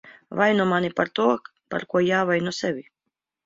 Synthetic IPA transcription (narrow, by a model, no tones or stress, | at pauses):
vajnɔmanʲipaɾt̪uɔk | pa̰ɾkuɔjaːvajnɔsɛvʲi